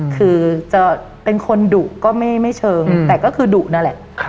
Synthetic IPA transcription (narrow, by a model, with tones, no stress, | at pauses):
kʰɯː˧t͡ɕa˧˨˩ | pe˧nkʰo˧nduː˨˩ʔkɔː˥˩ma˥˩jma˥˩jt͡ɕʰɤː˧ŋt̪ɛː˨˩kɔː˥˩kʰɯː˧duː˨˩ʔna˦˥˩lɛ˨˩ʔʰ